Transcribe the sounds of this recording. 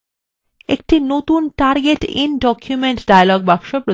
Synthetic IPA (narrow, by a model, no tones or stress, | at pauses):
ḛk̚ʈinot̪unʈaɾɡeʈḭnɖɔkʰjumeɳʈɖajalɔɡ̚bakʃopɾo